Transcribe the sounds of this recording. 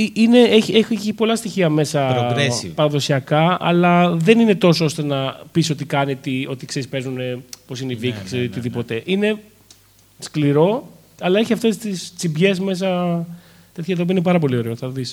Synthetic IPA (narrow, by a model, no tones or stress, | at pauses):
iine̞eeçipo̞lɐst̪içiɐme̞sɐɾespɐɾɐðo̞siɐkɐɐ̰lɐðe̞nine̞t̪o̞soo̞st̪e̞nɐpiso̞t̪ikɐnit̪io̞t̪ikse̞ɾispe̞ɾznune̞po̞sineiviikseot̪iðipo̞t̪e̞ʔine̞ | skliɾo̞ | ɐlɐe̞çiɐft̪e̞st̪ist͡sibʝe̞zme̞s̬ɐ | t̪e̞t̪çɐt̪ɐopiɐinepɐɾɐpo̞lio̞ɾe̞oθɐðis